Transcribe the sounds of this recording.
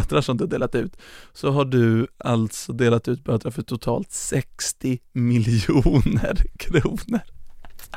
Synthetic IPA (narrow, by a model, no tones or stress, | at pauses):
t̪ɾaʂɔmd̪ɵhaɖeːlat̪ʉ̟ːt̪sɔɦaɖɵalt̪sɔd̪eːlat̪ʉ̟ːt̪̚bøːt̪ɾaɾfœʈʰʊt̪ʰɑ̰ːlt̪sɛkst̪ɪmɪlɪuːnəɾkʰɾuːnəɾ